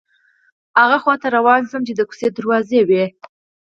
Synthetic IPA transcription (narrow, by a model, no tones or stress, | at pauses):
haɣaxwɑt̪aɾawɑnzəmt͡ʃed̪əku̥sed̪aɾwɑzewe